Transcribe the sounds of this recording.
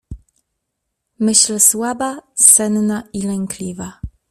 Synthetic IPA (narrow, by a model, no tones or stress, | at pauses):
mɘɕlswabasɛnnailɛŋklʲiva